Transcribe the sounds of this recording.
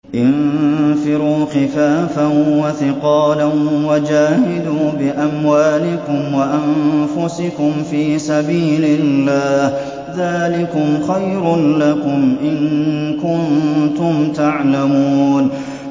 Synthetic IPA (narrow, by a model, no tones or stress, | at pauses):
ʔɪnfɪɾuːxɪfaːfanwaθɪqɑːlanwad͡ʒaːhɪd̪uːbɪʔamwaːlɪkʊmwaʔanfʊsɪkʊmfiːsabiːlɪlːaːh | ðaːlɪkʊmxajɾʊnlakʊmʔɪnkʊnt̪ʊmt̪aʕlamuuːn